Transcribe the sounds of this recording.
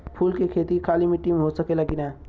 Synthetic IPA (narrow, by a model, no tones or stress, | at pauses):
pʰuːlkekʰeːt̪ikʰaːlimẽʈimɦosəkeləkinɛː